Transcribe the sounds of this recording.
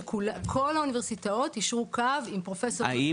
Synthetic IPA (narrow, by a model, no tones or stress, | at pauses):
kukʰo̞launiveʁsitao̞tiʃʁukavimpʁo̞fe̞soa̰i